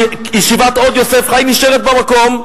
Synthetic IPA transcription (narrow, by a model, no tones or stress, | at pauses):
jiʃivatɔdjɔsɛfʁajmiʃɛʁɛt̚bamakɔm